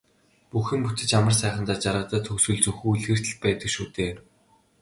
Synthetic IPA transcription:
puxɘ̆mput͡sɘ̆t͡ɕamə̆rsæːχə̆nt̪aːt͡ɕarʁə̆t̪ə̆t̪ʰxɵsŭɮt͡sɵxuːuɮxĕr̥t̪ɘ̆ɮ̚pæːt̪ə̆kʃuːt̪eː

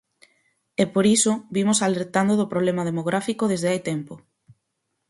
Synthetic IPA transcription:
ɛpoɾisobimosaleɾt̪and̪oðʊpɾoβ̞lɛmaðemoɣ̞ɾafikoðezðeajt̪ɛmpo

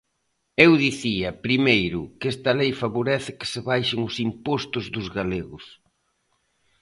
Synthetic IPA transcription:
ewðiθiɐpɾimejɾʊkɛst̪ɐlejfaβoɾɛθɪkɪ̥sɪβajʃɪŋʊsimpɔst̪ʊzðʊzɣaleɣʊs

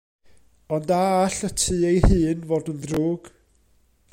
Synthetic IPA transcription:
ɔndaːɬətʰɨːejhɨːnvoːdənðruːɡ̥

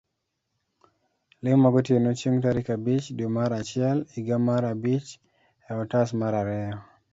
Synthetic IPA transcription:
lɪmaɡotjenot͡ʃiŋtaɾikabit͡ʃdomaɾat͡ʃɪɛliɡamaɾabit͡ʃ | ɛɔtasmaɾaɾɛɔ

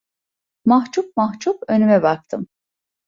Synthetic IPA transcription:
maɦt͡ʃup̚maxt͡ʃʰupø̞nymɛbak̚t̪ʰɯm

